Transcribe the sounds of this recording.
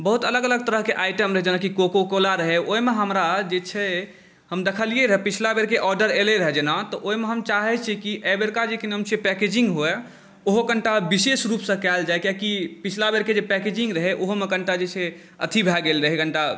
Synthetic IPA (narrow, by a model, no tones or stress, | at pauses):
bəɦut̪ələɡələɡ̚t̪əɾəɦkeʔajʈəmɾəɦɛd͡ʒenakikokokolaɾəɦɛoemeɦəmɾad͡ʒet͡ʃʰɛ | həmd̪ekʰəlieɾəɦɛpit͡ʃʰlabeɾkeʔɔɾɖəɾeleɾəɦɛd͡ʒenat̪ɔʔoimeɦəmt͡ʃaɦɛt͡ʃʰɛkiʔɛbeɾkad͡ʒekinəmt͡ʃʰepɛked͡ʒĩŋɡɦoɛ | oɦokəɳʈabisesɾupsə̃kɛld͡ʒaekjakipit͡ʃʰlabeɾked͡ʒepɛked͡ʒĩŋɡɾəɦɛʔoɦomekəɳʈad͡ʒet͡ʃʰɛ | ə̰t̪ʰibʱɛɡelɾəɦɛɡʱəɳʈa